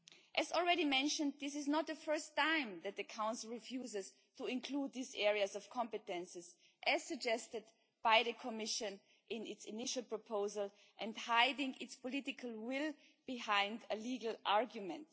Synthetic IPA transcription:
ʔɨzɔl̩ˠɹɛɾimɛ̃nʃə̃nd̚ðɪsɪznət̪̚ðəfɜ˞stʰãɪ̃mðɨt̪̚ðɨkʰãʊ̃nsl̩ˠɹifjuzɪz̥ | tuɪ̃nkʰl̥ud̪̚ðizɛɹiɨzɔv̥kʰɑ̃mpɨtɛ̃nsɨz | ʔɨz̥sɨɡ̚d͡ʒɛstɨd | b̥aɪðɨkʰɔmɪʃɨ̃n | ʔɪ̃nɪtsɪnɪʃl̩ˠpʰɹ̥ɔpʰoʊzəlˠ | ʔɨ̃ndhaɪdɪ̃ŋʔɪtspɔlɪtɪkʰəlˠwɪlˠ | b̥ɪhãɪ̃ndəliɡl̩ˠʔaɹɡjumɛ̃nt

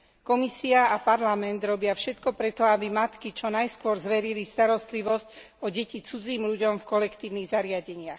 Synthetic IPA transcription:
kɔmisiaapaɾlamɛnd̪ɾɔbɪafʃɛt̪kɔpɾɛt̪ɔabimat̪kit͡ʃɔnajskʊɔɾzʋɛɾilist̪aɾɔst̪liʋɔsc | ɔɟɛcit͡sud͡ziːmʎuɟɔmfkɔlɛkt̪iːʊniɣzaɾɪaɟɛɲɪax

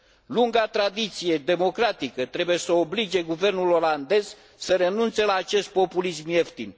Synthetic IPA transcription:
luŋɡat̪ɾad̪it̪sije̞d̪e̞mo̞kɾat̪ikət̪ɾe̞buje̞səoblid͡ʒe̞ɡuve̞rnulo̞land̪e̞z̥ | səɾe̞nunt̪se̞laːt͡ʃe̞st̪̚po̞pulismjeft̪in

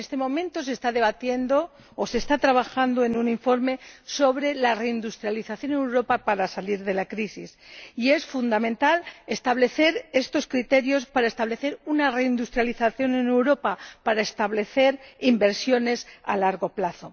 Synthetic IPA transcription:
est̪e̞mõ̞mẽ̞nt̪o̞se̞st̪aðe̞βat̪je̞nd̪o̞ː | se̞ːst̪at̪ɾaβaxand̪oe̞nuniɱfo̞ɾme̞so̞βɾe̞lare̞ind̪ust̪ɾjaliθaθjo̞neewɾo̞papaɾasaliɾðe̞lakɾisisie̞sfund̪amẽ̞nt̪ale̞st̪aβ̞le̞θe̞ɾe̞st̪o̞skɾit̪e̞ɾjo̞spaɾae̞st̪aβle̞θe̞ɾunare̞ind̪ust̪ɾjaliθaθjo̞nene̞wɾo̞papaɾaest̪aβle̞θe̞ɾimbe̞ɾsjo̞ne̞sa̰laɾɣo̞plaθo̞

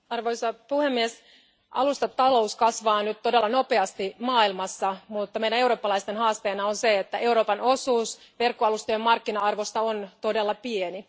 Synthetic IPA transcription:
ɑrʋojsɑpuhemːies | ʔɑ̰lust̪ɑt̪ɑlo̞uskɑsʋɑːnyt̪t̪o̞delːɑnope̞ɑst̪imɑːilmɑsːɑmut̪ːɑmejdæneuɾoːpːɑlɑist̪enɦɑːst̪eːnɑonseet̪ːæʔe̞uɾo̞ːpɑno̞suːsʋerkːoɑlust̪ojemːɑrkːinɑɑrʋost̪ɑont̪ode̞lːɑpieni

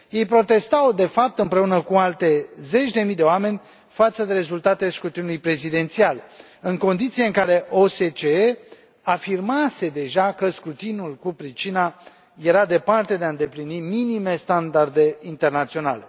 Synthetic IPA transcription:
je̞jpɾo̞t̪e̞st̪awd̪e̞fap̚t̪ɨmpɾe̞unəkualt̪e̞ze̞t͡ʃd̪e̞mijd̪e̞oame̞nʲ | fat̪səd̪e̞ɾe̞zult̪at̪eskɾut̪inulujpɾe̞zid̪e̞nt̪siale | ɨŋko̞nd̪it̪sijeɨŋkaɾe̞ʔo̞set͡ʃee | afirmase̞d̪e̞ʒakəskɾut̪inulkupɾit͡ʃina | je̞ɾad̪e̞part̪e̞d̪eaɨnd̪e̞pliniminime̞st̪and̪ard̪e̞int̪e̞rnat̪sio̞na̰le̞

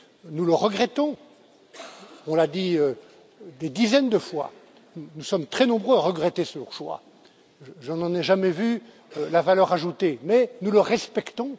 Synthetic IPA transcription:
nuləʁəɡʁɛt̪ɔ̃ | ɔ̃lad̪iø | d̪ed̪izɛnd̪əfwa̰ | nusɔmt̪χɛnɔ̃bʁøaʁəɡʁɛt̪esəlɔʁʃwa̰ | ʒɑ̃nɑ̃nɛʒamɛvy | lavalœʁaʒut̪emɛnuləʁɛspɛkt̪ɔ̃

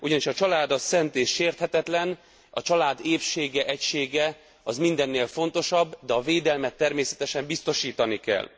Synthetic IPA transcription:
uɟɒniʃɒt͡ʃɒlaːd̪ɒsːɛnt̪eːʃeːrt̪hɛt̪ɛt̪lɛn | ɒt͡ʃɒlaːd̪eːpʃeːɡɛʔɛcʃeːɡɛ | ɒzmind̪ɛnːeːlfo̞nt̪o̞ʃɒbːd̪ɛɒveːd̪ɛlmɛt̪ːɛrmeːsɛt̪ɛʃɛmbist̪o̞ʃiːt̪ɒnikɛ̰l

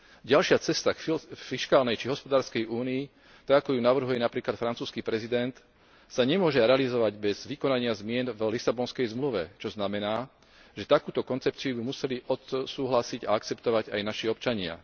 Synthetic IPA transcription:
ɟalʃɪat͡sɛst̪akfiʃkaːlnɛjt͡ʃiɦɔspɔd̪aːɾskɛjuːniː | t̪aɡakɔjunaʋr̩ɦujɛnapɾiːklat̪fɾant͡suːskipɾɛzid̪ɛnt̪ | saɲɛmʊɔʒɛɾɛalizɔʋaɟbɛzʋikɔnaɲɪazmɪɛnvlisabɔnskɛjzmluʋɛt͡ʃɔznamɛnaː | ʒɛt̪akuːt̪ɔkɔnt͡sɛp̚t͡siubimusɛliʔɔt̪suːɦlasiɟaak̚t͡sɛpt̪ɔʋaɟajnaʃiɔpt͡ʃaɲɪa̰

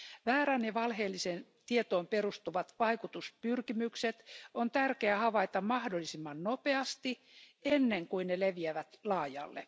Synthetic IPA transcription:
ʋæːɾænjɑʋɑlheːlːisen | t̪iet̪oːmperust̪uʋɑt̪ʋɑikut̪uspyrkimykset̪ont̪ærkeæhɑʋɑit̪ɑmmɑhdolːˑisimːɑnnopeɑst̪i | enːeŋkuinneleʋiæʋæt̪lɑːjɑ̰lːḛ

